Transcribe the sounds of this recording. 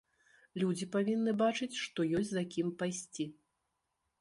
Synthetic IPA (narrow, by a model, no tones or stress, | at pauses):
lʲud͡zʲipavʲinːɨbat͡ʂɨt͡sʲʂt̪ɔjɔsʲzakʲimpajsʲt͡sʲi